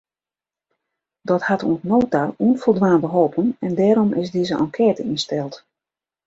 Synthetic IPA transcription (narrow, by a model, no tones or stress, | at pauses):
dɔthatṵənnoːtauənfolˠdʋaːndəɦoːpənɛndɛːɾɔmʔɪsdizəʔɔ̰ŋkʰɛːtəinstɛlˠt